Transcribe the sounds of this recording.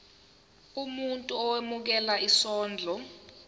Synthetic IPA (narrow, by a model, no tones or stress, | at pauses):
umuntʼuɔwemuk̬ɛlaʔisɔːnd͡ɮʱɔ